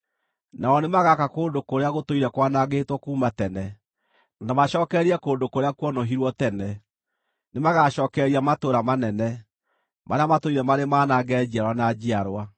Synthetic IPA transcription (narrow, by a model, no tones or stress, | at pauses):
naɔnemaɣakakoːndokoɾeaɣotoiɾɛkwanaɣeːtwɔkuːmatɛnɛ | nanamaɕɔːkɛɾiɛkoːndokoɾeakwɔnɔɦiɾwɔtɛnɛ | nemaɣaʃɔːkɛɾiamatoːɾamanɛnɛ | maɾeamatoiɾɛmaɾemanaɡɛːd͡ʑiaɾwanad͡ʑiaɾwa